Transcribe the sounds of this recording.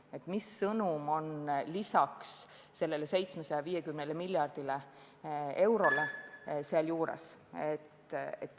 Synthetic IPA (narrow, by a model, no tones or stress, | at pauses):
e̞t̪misːɤnumo̞nlisɑks | se̞lːe̞lese̞jt̪smesɑjɑviːjekymnelemiljɑrd̪̥ile | e̞wɾo̞leseɑljuːɾḛset̪et̪ːˑ